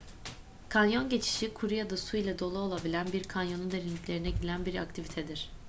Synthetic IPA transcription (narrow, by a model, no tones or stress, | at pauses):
kʰanjo̞nɟe̞t͡ʃʰi̥ʃikʰuɾujad̪asuilʲɛd̪o̞lˠuo̞lˠabilʲænbiɾkʰanjo̞nund̪e̞ɾinlʲiclʲe̞ɾinɛɟilʲænbiɾa̰k̚t̪ʰivit̪ʰɛd̪iɾ̝̥